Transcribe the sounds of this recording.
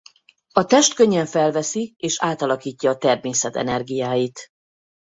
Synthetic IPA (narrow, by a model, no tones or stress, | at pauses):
ɒt̪ɛʃt̪køɲːɛɱfɛlvɛsieːʃaːt̪ɒlɒkiːcːɒːt̪ɛrmeːsɛt̪ɛ̰nɛrɡijaːjit̪